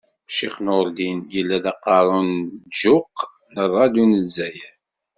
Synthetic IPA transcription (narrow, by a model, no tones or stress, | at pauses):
ʃiχnoɾlinjəlːæðɑqːɑɾˤʊnʒʊq | nərˤːɑd̪unəzæj